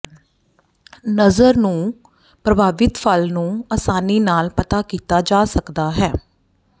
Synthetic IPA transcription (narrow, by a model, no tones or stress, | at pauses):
nəzəɾnũː | pɾəbʱaːʋɪt̪pʰəlnũːaːsaːniːnaːlpət̪aːkiːt̪aːd͡ʒaːsəkd̪aːɦɛː